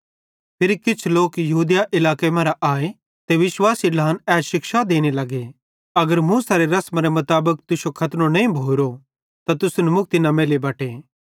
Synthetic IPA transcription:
pʰɪɾikɪt͡ʃʰloːkjɐɦuːd̪jaʔɪlaːkemɐ̃ɾaʔaːe | t̪eʋɪʃwaːsiɖaːnɛːʃɪkʃad̪eːñelɐɡe | ɐɡəɾmũsaːɾeɾɐsmãɾemɐt̪aːbək̚t̪ʊsokʰɐt̪nõnɐĩbʱoːɾo | t̪at̪ʊsunɛmʊk̚t̪inameːlebɐːʈeː

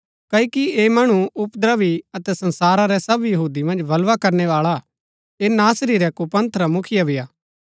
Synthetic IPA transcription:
kɐkieːmɐɽ̃uʊpd̪ɾaʋiɐt̪ɛsɐ̃nsaːɾaɾɛsɐbjɐɦuːd̪imɐ̃nd͡ʒbɐlʋakɐɾneʋaːɭa | eːnaːsɾiɾɛkupɐ̃nt̪ʰɾamʊkʰɪjabʱɪjaː

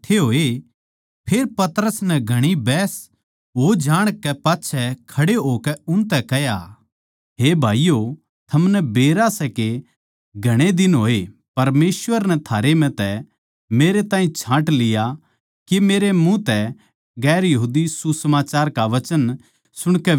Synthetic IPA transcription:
ʈʰeɦoːe | pʰeːɾpɐt̪əɾəsnɛɡʱɐɽ̃ibɛːs | ɦod͡ʒaːɽ̃kɛpaːtːʃʰɛkʰɐɽeɦoːkɛʊ̃nt̪̬ɛkɛja | ɦeːbʱaːijo | t̪ʰɐmnɛbeːɾasɛke | ɡʱɐɽ̃ed̪ɪnɦoːe | pɐɾmeːsʋəɾnɛt̪ʰaːɾem̤ɛ̃t̪ɛ | meːɾet̪aːɦĩt͡ʃʰãːʈlɪja | kemeːɾemũt̪ɛ | ɡɛːɾjɐɦuːd̪isusɐmaːt͡ʃaːɾkaʋɐt͡ʃən | sʊɽ̃kɛ

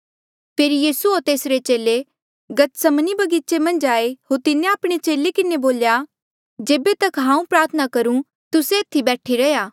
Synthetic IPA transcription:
pʰeːɾijiːsuoːɾt̪eːsɾet͡ʃeːle | ɡɐt̪sɐmnibɐɡiːt͡ʃemɐ̃nd͡ʒaːeɦoɾt̪ɪnẽaːpɽ̃et͡ʃeːlekɪneboːlja | d͡ʒeːbet̪ɐkɦãːũpɾaːɾt̪ʰənakɐɾũ | t̪ʊset̪ʰːibɛːʈʰiɾɐjaː

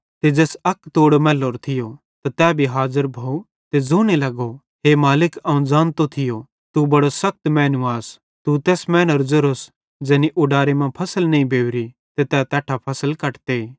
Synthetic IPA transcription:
t̪ed͡ʒɛːsɐkt̪oːɽmɛːloːɾt̪ʰɪjo | t̪at̪ɛːbʱiɦaːzəɾbʱɐu | t̪ed͡zoːnelɐɡo | ɦemaːlɪkɐũd͡zãːnt̪ot̪ʰɪjo | t̪ubɐɽosɐk̚t̪mɛ̃ːnʊaːs | t̪ut̪ɛːsmɛ̃ːnəɾd͡ʒʊɾos | d͡ʒɛːniʔʊɖaːɾemãpʰɐsəlnɐ̃ĩbʱeːwɾi | t̪et̪ɛːt̪ɛːʈʰapʰɐsəlkɐʈt̪e

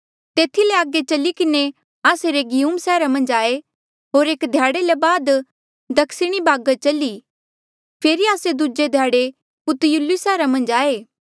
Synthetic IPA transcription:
t̪eːt̪ʰileaːɡet͡ʃɐlikɪne | aːseɾeːɡɪjuːmsɛːɾamɐ̃nd͡ʒaːe | ɦoːɾeːkd̪ʱjaːɽelebaːd̪ | d̪ɐkʰsɪɽ̃ibaːɡət͡ʃɐli | pʰeːɾiaːsed̪ud͡ʒed̪ʱjaːɽe | pʊt̪julisɛːɾamɐ̃nd͡ʒaːeː

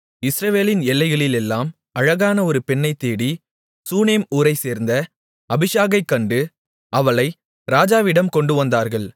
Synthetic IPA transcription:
ɪsɾɐʋeːlɪnɛlːɐɪɣɐɭɪlɛlːaːm | ɐɻɐɣaːnɐɔɾɯpɛɳːɐɪt̪ːeːɽi | suːneːmuːɾɐɪseːɾnd̪ɐ | ɐbɪʂaːɣɐɪkːɐɳɖɯ | ʔɐʋɐɭɐɪ | ɾaːd͡ʒaːʋɪɽɐmkɔɳɖɯʋɐnd̪aːɾɣɐɭ

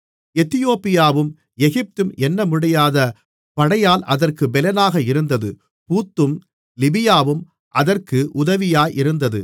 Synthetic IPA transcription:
ɛt̪ɪjoːpːɪjaːʋɯm | ɛɣɪp̚t̪ɯmɛnːɐmʊɽɐjaːðɐ | pɐɽɐjaːlʔɐðɐrkɯbɛlɐnaːɣɐɪɾɯnd̪ɐðɯ | puːt̪ːɯm | lɪbɪjaːʋɯm | ʔɐðɐrkɯʔʊðɐʋɪjaːjʔɪɾɯnd̪ɐðɯ

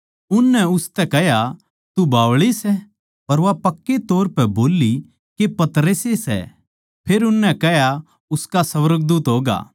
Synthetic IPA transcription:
ʊnːɛʊst̪ɛkɛɦja | t̪ubʱaːʋɭisɛ | pɐɾʋapɐkːet̪oːɾpɛboːlːi | kepɐt̪ɾəsesɛ̰ | pʰeːɾʊnːɛ̃kɛɦja | ʊskasɐʋəɾəɡ̚d̪uːt̪ɦoːɡa̰ː

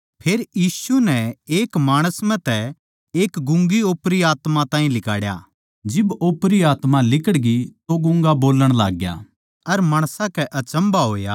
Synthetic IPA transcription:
pʰeːɾjiːsunɛeːkmaːɽ̃əsmɛ̃t̪ɛ | eːkɡʊ̃ŋɡioːpɾiaːt̪mat̪ãːĩlɪka̰ːɽja̰ː | d͡ʒɪboːpɾiaːt̪malɪkəɽɡit̪oɡʊ̃ŋɡaboːləɽ̃la̰ːɡja̰ː | ɐɾmaːɽ̃sãkɛʔɐt͡ʃə̃mbaɦoːja̰

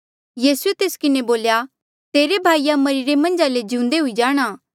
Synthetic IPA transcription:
jiːsuet̪eːskɪneboːlja | t̪eːɾebʱaːijamɐɾiɾemɐ̃nd͡ʒaled͡ʒĩũnd̪eɦʊid͡ʒaːɽ̃aː

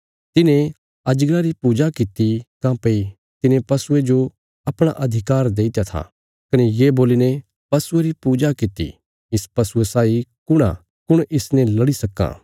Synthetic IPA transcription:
t̪ɪnẽ | ɐd͡ʒɡɾaɾipuːd͡ʒakɪt̪ikãːpei | t̪ɪnẽpɐsʊed͡ʒo | ɐpɽ̃aʔɐd̪ʱɪkaːɾd̪eːɪt̪jat̪ʰa̰ | kɐnejeːboːlinẽ | pɐsʊeɾipuːd͡ʒakɪt̪ḭ | ɪspɐsʊesaːikʊɽ̃a̰ | kʊɽ̃ʔɪsnẽlɐɽisɐkːã̰ː

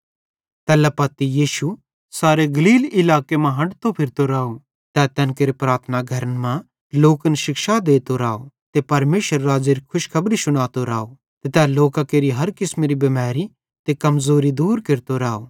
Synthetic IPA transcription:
t̪ɛːlɛpɐt̪ijiːʃu | saːɾeɡɐliːlɪlaːkemãɦɐ̃ɖt̪opʰɪɾt̪oɾaːo | t̪ɛːt̪ɛ̃ːnkeːɾepɾaːt̪ʰnaɡʱɐɾənmã | loːkənʃɪkʃad̪eːt̪oɾaːo | t̪epɐɾmeːʃəɾːaːd͡ʒeɾikʰʊʃkʰɐbɾisʊɽ̃aːt̪oɾaːo | t̪et̪ɛːloːkakeːɾiɦɐɾkɪsmeɾibɐmaːɾi | t̪ekɐmzoːɾid̪uːɾkɪɾt̪oɾaːoː

